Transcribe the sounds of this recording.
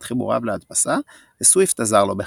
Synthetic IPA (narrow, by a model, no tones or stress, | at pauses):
tχibṵʁa̰vleat̪basa | veswift̪azaʁlo̞be